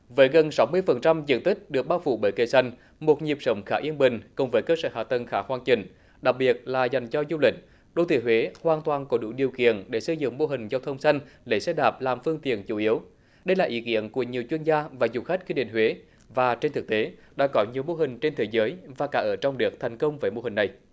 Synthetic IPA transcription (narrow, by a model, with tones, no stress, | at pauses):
vəː˨˦jɣə˨˩nsa˨˦wmɨ˧əjfə˨˩nt͡ɕa˧mzɨ̰˧˨˥nt̪ï˦˥k̟̚ɗɨ˨˩ək̚ɓaː˧wfṵ˧˩ɓəː˨˩jkə˧˩jsa˧jŋ̟ | mo˨˩t̚ɲi˨˩əp̚sə˨˦wŋ͡mxaː˧˩ʔi˧ənɓï˨˩ŋ̟kʊ˨˩ŋ͡mvəː˨˦jkəː˧səː˧˩ha̰ː˨˩t̪ə˨˩nxaː˧˦˩kwaː˧nt͡ɕï˧˩ŋ̟ | ɗa˨˩k̚ɓi˨˩ət̚laː˨˩za˨˩jŋ̟zɔ˧zu˧lï˨˩k̟̚ | ɗo˧˩t̪ʰḭ˧˨hwe˨˦hwaː˨˩nt̪waː˨˩nkɔ˨˦ɗṵ˧˥ɗi˨˩əwkḭ˧˨ənɗe˧˩sə˧jzɨ̰˧˨ŋmo˧ɦï˨˩ŋ̟zaː˧wt̪ʰə˧wŋ͡msa˧jŋ̟ɗe˧˩sɛ˧ɗaː˨˩p̚laː˨˩mfɨ˧əŋt̪ḭ˧˨ənt͡ɕu˧˩ʔi˨˦əw | ɗə˧jlaː˨˩ʔi˨˦kḭ˧˨ənku˧˩əɲi˨˩əwt͡ɕwi˧ənzaː˧vaː˨˩zu˨˩xa˦˥k̟̚kwi˧ɗḭ˧˨ŋ̟hwe˨˦ | vaː˨˩t͡ɕe˧nt̪ʰɨ˨˩k̚t̪e˨˦ɗa̰ː˧˥kɔ˨˦ɲi˨˩əwmo˧ɦï˨˩ŋ̟t͡ɕe˧nt̪ʰe˨˦zəː˨˦jvaː˨˩kaː˨˩ʔəː˧˩t͡ɕɔ˧wŋ͡mɗɨ˨˩ək̚t̪ʰɛ˨˩jŋ̟kə˧wŋ͡mvəː˨˦jmo˧ɦï˨˩ŋ̟na˨˩j